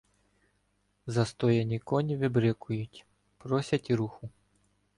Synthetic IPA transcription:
zɐst̪ɔjɐnʲikɔnʲiʋɪbɾɛkʊjutʲ | pɾɔsʲɐtʲiɾuxʊ

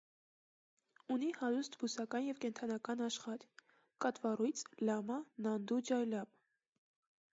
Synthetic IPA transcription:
unihɑɾust̪busɑkɑnjɛvkɛnt̪ʰɑnɑkɑnɑʃχɑɾ | kɑt̪vɑrujt͡sʰlɑmɑnɑnd̪ud͡ʒɑjlɑm

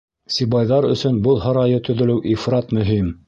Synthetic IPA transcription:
sibɑjðɑɾɵ̆sɵnbɤlˠɦɑɾɑjɤt̪ɵ̆ðɵ̆lɘwʔifrɑt̪mɵ̆ɦim

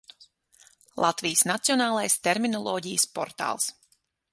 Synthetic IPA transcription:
lˠʔat̪vijəsnat̪siɔnaːlˠajst̪eɾminɔlˠɔːɟijəspɔ̰ɾt̪a̰ːlˠs

